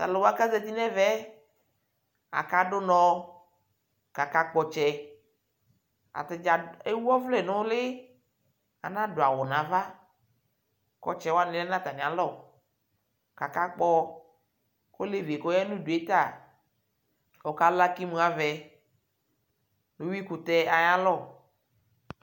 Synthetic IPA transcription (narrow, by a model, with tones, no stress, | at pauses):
t̪a̰˨lo˨wo˦a˦ka˦zɛ˦t̪i˦nɛ̃˦vɛ˦ | a̰˨ka˦ɖo˦nɔ̃˨ | ka˨ka˦k͡pɔ˨t͡ʃɛ˦ | a̰˨t̪e˨d͡ʒa˨e˦wɔ˦vlɛ˦˨nɔ̃˦le˦ | a̰˨nã˦ɖo˨a˨wɔ˨nã˨va˦ | kɔ̰˦t͡ʃɛ˦wa˦nɪ̃˨lɛ˦nã˦t̪a˨nĩ˨a˨lɔ˦˨ | ka˨ka˦k͡pɔ˦ | ko˦le˦ve˨ko˦jɛ˦nũ˦du˨e˦t̪a˦˨ | o˨ka˦la˦ki˦mũ˨˦a˨vɛ˨ | nũ˨˦wi˦ku˨t̪ɛ˦a˨ɲa˦lɔ˦˨